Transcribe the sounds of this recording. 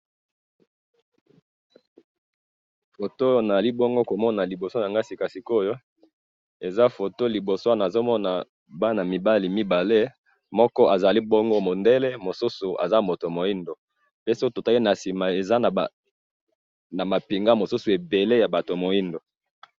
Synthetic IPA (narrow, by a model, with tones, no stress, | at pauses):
fo˨to˦na˨za˨li˦bo˦ŋɡo˦ko˨mɔ˦na˨li˨bo˨so˦ja˨ŋɡa˦si˨ka˨si˨ko˦jo˦ | e˨za˦fo˨to˦li˨bo˨so˦a˦˨na˨zo˦mɔ˦na˨ | ba˦na˨mi˨ba˦li˨mi˦ba˨le˦ | mɔ˦kɔ˦ʔa˨za˨li˦bo˦ŋɡo˦mo˨nde˦le˦mo˨su˦su˨ʔa̰˨za˦mo˨to˨mo˨i˦ndo˨ | pe˦si˦o˦to˨ta˦i˦na˨si˨ma˨e˨za˦n˨ | na˨ma˨pi˨ŋɡa˦mo˨su˦su˨e˨be˨le˦ja˨ba˨to˨mo˨ji˦ndo˨